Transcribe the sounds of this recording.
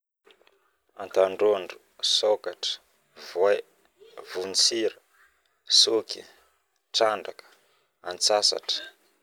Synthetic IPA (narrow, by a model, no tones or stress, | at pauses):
a̰nt̪aɳɖ͡ʐoɳɖ͡ʐu | sokaʈ͡ʂə̥ | vwaj | vunt͡siɾə | sukḭ | ʈ͡ʂaɳɖ͡ʐakə̥ | ant͡sasa̰ʈ͡ʂə̥